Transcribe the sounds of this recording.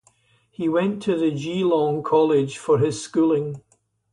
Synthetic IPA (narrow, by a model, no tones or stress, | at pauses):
hiwɛ̃ntʰəðəd͡ʒilˠɔ̃ŋkʰɔlˠɪd̥ʒ̥fə˞ɪz̥skʉlˠɪ̃ŋ